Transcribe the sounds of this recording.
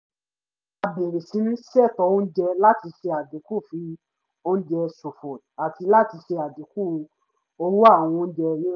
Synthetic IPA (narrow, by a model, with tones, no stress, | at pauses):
a˨be˨ɾe˨si˨˦nĩ˦ʃɛ˦˨tɔ˨˧˦o˦n̩˦d͡ʒɛ˧la˦ti˧ʃe˧a˨de˨˦ku˦˨fi˨˧˦ | o˦n̩˦d͡ʒɛ˧so˨fɔ˨ta˨ti˧la˦ti˧ʃe˧a˨de˨˦ku˦˨˧ | o˧wo˦a˦˨w̃ɔ̃˧n̩˦d͡ʒɛ˧˦